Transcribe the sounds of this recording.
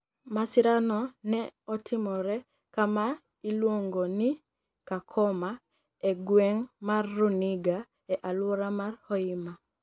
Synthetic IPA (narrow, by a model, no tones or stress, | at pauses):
masɪɾanɔnɛɔtʰɪmɔɾɛ | kama | ilwoŋɡoni | kakʰɔma | eɡwɛŋmarːuniɡa | ɛʔalwɔɾamarhɔima